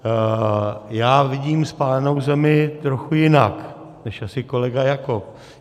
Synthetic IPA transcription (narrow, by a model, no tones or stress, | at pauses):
jaːvɪɟiːmspaːlɛnowzɛmɪt̪ɾoxujɪnak | nɛʃasɪko̞lɛɡajakop̚